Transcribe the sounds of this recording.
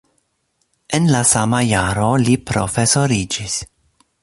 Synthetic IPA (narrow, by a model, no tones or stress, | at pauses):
enlasamajaɾo̞lipɾo̰fe̞soɾid͡ʒis